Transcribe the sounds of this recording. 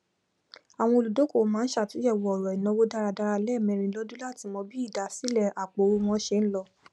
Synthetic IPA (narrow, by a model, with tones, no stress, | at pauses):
a˨w̃ɔ̃˧o˧˨lu˨do˨˦ko˦˨˦mãː˨˦n̩˦ʃa˦˨ti˨˦ɛ˦˨wɔ˨ɔ˨ɾɔ˨i˨nɔ̃˨˧wo˦da˦ɾa˧da˧ɾa˧lɛ˦˨mɛ̃˧ɾ̃ĩ˧lɔ˦du˦la˦˨ti˧mɔ̃˧bi˦i˦˨da˨si˨˦lɛ˦˧˨a˨k͡po˨˦ɾu˧w̃ɔ̃˧˦ʃe˧n̩˦lɔ˧